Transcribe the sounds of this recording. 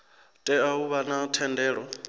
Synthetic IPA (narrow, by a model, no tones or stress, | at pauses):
tʼɛauβanatʰɛndɛːɺɔ